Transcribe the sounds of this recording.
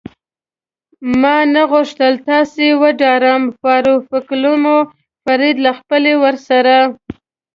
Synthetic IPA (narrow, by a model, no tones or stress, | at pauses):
mɑnaɣʊʂt̪əlt̪ɑsewəɖɑɾəmfɑɾufɪkluno | faɾid̪laxpəlewəɾsaɾa